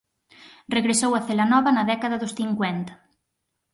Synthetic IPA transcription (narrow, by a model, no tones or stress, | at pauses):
reɣɾesowɐθelanɔβɐnɐðɛkaðɐðʊsθiŋkwɛnt̪ɐ̥